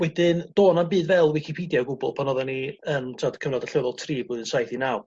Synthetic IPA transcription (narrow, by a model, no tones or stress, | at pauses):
wɛdɪnd̥oːnanbɨːdvɛlˠwɪkʰipʰidjaɡʊbʊ̰lˠpʰanɔðaniəntʰadkʰəvnɔdaɬɛðɔlˠtʰriːboːðənsajθinaw